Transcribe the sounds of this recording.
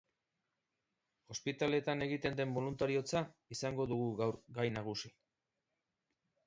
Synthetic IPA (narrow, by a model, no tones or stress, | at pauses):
o̞spit̪ale̞t̪ane̞ɣit̪e̞nd̪e̞mbo̞lunt̪aɾio̞t͡saisaŋɡo̞ðuɣuɣawɾɡajnaɣ̞usi